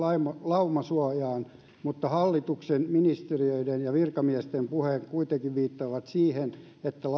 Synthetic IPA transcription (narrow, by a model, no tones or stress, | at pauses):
ɑimɑlɑumɑsuɑjɑːn | mut̪ːɑhɑlːit̪uksenminist̪eriøidenjɑʋirkɑmiɛst̪empuheŋkuit̪ekiʋʋiːt̪ːɑːʋɑt̪siːhen | et̪ːæl